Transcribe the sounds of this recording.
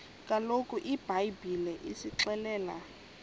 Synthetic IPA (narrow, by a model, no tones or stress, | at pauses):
kʼalokʼuʔib̥ajbilɛʔisiǁɛlɛːla